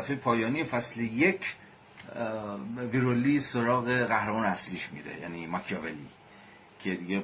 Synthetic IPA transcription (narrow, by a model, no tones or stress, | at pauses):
æfejepʰɒːjɒːniːfæslejecʰ | viɾoliso̞ɾɒːɣe̞ɣæhɾemɒːnæsliːʃmḭɾḛjæ̰niːmɒkʰjɒvelḭ | cʰe̞d̪iɡe